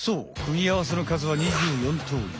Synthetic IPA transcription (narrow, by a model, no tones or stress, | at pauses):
soːkɯ̟mʲiaβas̬e̞no̞kazɨβaɲ̟iʑɨːjõ̞nt̪ʰo̰ːɾʲḭ